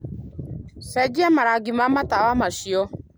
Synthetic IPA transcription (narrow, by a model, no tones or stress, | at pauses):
sɛd͡ʒiamaɾaɡimamatawamaʃiɔ